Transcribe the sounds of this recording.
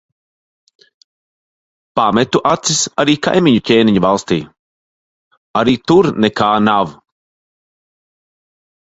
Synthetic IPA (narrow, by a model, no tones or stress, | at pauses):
pamet̪uʔat̪sisaɾiːka̰jmʲiɲucʲeːniɲuvalˠst̪ḭː | aɾiːt̪uɾnɛkaːnav